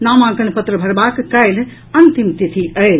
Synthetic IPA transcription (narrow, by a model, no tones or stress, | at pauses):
naːmãːkɐɳpɐt̪ɾɐbʱɐɾbaːkkɐjl | ɐnt̪imt̪it̪ʰiʔɐjl